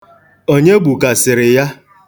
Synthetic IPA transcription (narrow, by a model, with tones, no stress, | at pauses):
o˦ɲe˦ɡ͡bu˨ka˨sɪ˨ɾɪ˨ja˦